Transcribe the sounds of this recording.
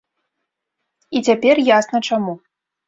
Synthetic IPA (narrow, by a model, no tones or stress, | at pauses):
it͡sʲapʲɛrjasnɐt͡ʂamu